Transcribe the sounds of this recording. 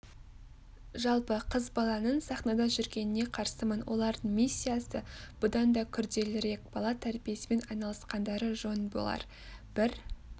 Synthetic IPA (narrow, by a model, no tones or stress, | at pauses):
ʒɑlˠpəqʰəzbɑlˠɑnənsɑχnɑd̪ɑʒʏɾɡʲe̞nɪne̞qʰɑɾsəmənwo̞̰lˠɑɾd̪əɴmisʲːijasəb̥ʊd̪ɑnd̪ɑkʲʰʏɾd̪e̞lɪɾe̞k̚b̥ɑlˠɑt̪ʰæɾbije̞sɪme̞nɑjnɑlˠəsqɑnd̪ɑɾəʒo̞nbo̞̰lˠɑ̰ɾ | b̥ɪɾ